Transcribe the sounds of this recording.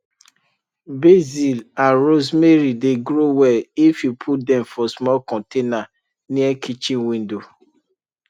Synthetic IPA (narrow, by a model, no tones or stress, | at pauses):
bezilãnɹozmeɾideɡɾowɛifjupʰut̚dɛ̃mfɔsmɔlkɔ̃ntena | niɛkʰit͡ʃĩnwĩndo